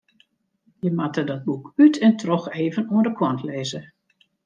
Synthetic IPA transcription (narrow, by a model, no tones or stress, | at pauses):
jəmatədɔt̚bukytʰɛntʰrɔxeːvənuədəkʰwɔntʰleːzə